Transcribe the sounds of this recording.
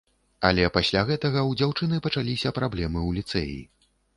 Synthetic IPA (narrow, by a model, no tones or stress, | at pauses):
ɐ̰lʲɛpasʲlʲaɣɛt̪ɐɣɐwd͡zʲawt͡ʂɨnɨpɐt͡ʂalʲisʲɐpɾablʲɛmɨwlʲit̪sɛ̰jḭ